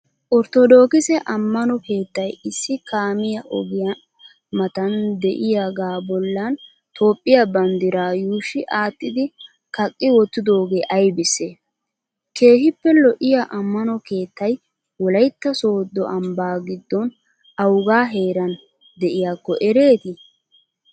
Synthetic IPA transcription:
ʔɔɾt̪ɔd̪o̞ːkɪsɛʔɐmːɐnɔke̞ːt̪ːɐjɪsːɪkaːmɪjɐʔɔɡɪjɐ | mɐt̪ɐnd̪ɛʔɪjaːɡaːbɔlːɐn | t̪o̞ːpʼːɪjabɐnd̪ɪɾaːjuːʃɪʔaːt̪ːɪd̪ɪ | kɐkʼːɪwɔt̪ːɪd̪o̞ːɡe̞ːʔɐjbɪsːeː | ke̞ːhɪpːɛlɔʔɪjaʔɐmːɐnɔke̞ːt̪ːɐj | wɔlɐjt̪ːɐso̞ːd̪ːɔʔɐmbaːɡɪd̪ːɔn | ɐwɡaːɦe̞ːɾɐn | d̪ɛʔɪjaːkːɔʔɛɾe̞ːt̪ɪ

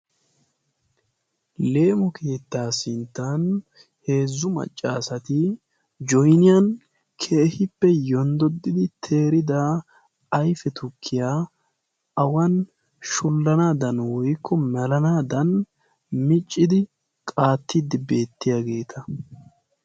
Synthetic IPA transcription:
le̞ːmɔkʰeːt̪ːaːsɪnt̪ːan | he̞ːzːʊmɐ̰t͡ʃʼːaːsɐt̪ɪ | d͡ʒɔjnɪjɐn | kʰe̞ːhɪpːɛjɔnd̪ɔd̪ːɪd̪ɪt̪ʰe̞ːɾɪd̪ɐː | jfɛt̪ʰʊkʰːɪjaː | ɐwɐn | ʃʊlːɐnaːd̪ɐnwɔjkːɔmɛlɐnaːd̪ɐn | mɪt͡ʃʼːɪd̪ɪ | kʼaːt̪ʰːɪd̪ɪbe̞ːt̪ːɪjaːɡe̞ːt̪ʰɐ

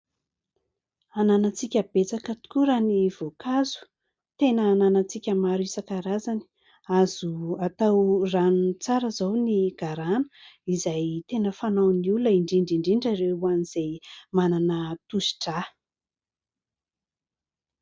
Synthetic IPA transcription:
ananat͡sikʲəb̥et͡sakət̪u̥kuɾaniv̥okazu̥ | t̪enəːnanat͡sikʲəmaɾisakaɾazani̥ | azuat̪awranunt͡saɾəzawniɡ̥aɾanə̥izajt̪enəfanawnilaiɳɖ͡ʐiɳɖ͡ʐiɳɖ͡ʐiɳɖ͡ʐaɾeuaniz̥ejmananət̪usi̥ʈ͡ʂa

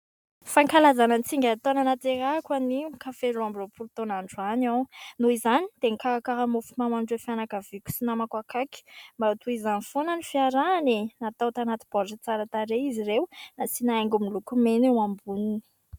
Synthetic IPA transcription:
faŋkalazananit͡siŋɡʲat̪onanat̪eɾakwanikafeɾuambiropʰult̪onaɳɖ͡ʐuanawnuizani̥t̪eŋkʰaakaɦamofumamanɖ͡ʐefianakavikʲu̥sinamakwakaki̥mbaut̪uizanifonanifiaɾanenat̪awt̪anat̪i̥b̥ɔʈ͡ʂət͡saɾat̪aɾeizirewunasinaeŋɡumilukumenewambunini̥

